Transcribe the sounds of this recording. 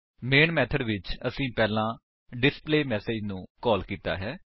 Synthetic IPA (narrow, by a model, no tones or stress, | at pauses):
meːɳmɛːt̪ʰəɖʋɪt͡ʃəsĩːpɛːlãː | ɖɪspleːmɛːseːd͡ʒnũːkɔːlkiːt̪a̰ːɦɛː